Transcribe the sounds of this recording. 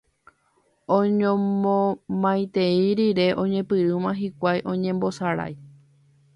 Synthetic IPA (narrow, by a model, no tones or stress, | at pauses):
õɲõmõmãj̃t̪eiɾiɾe̞ʔõ̞ɲẽ̞pɨɾɨmãɦikʷajʔõ̞ɲẽ̞mbo̞saɾa̰j